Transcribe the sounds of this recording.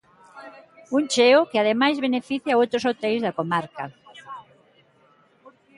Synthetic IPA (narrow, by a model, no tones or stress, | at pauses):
uŋt͡ʃeokeaðemajzβenefiθjaowt̪ɾosot̪ɛjzðɐkomaɾkɐ